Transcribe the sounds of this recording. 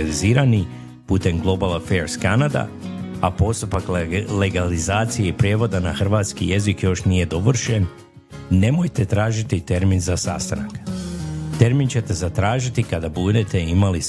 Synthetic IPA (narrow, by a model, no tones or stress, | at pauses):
liziːɾani | put̪e̞mɡlˠo̞balˠafeɾskanad̪a̰ | apo̞st̪upakleɡalizaːt̪sije̞ipɾjeʋo̞d̪anaxr̩ʋaːt̪skije̞zikjo̞ʃnije̞d̪o̞ʋr̩ʃenː | e̞mojt̪e̞t̪ɾaːʒit̪it̪e̞ɾminzasa̰st̪anak | t̪e̞ɾmint͡ɕe̞t̪e̞zat̪ɾaːʒit̪ikad̪abud̪et̪e̞imali